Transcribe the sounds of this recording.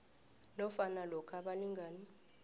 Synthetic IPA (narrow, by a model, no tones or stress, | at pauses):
nɔfanalɔkʰaɓaliŋɡʱaːni